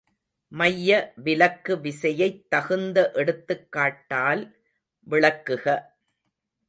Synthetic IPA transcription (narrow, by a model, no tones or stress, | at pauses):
mɐjːɐʋɪlɐkːɯʋɪsɐjɐɪt̪ːɐɣɯnd̪ɐʔɛɽɯt̪ːɯkːaːʈːaːl | ʋɪɭɐkːɯɣɐ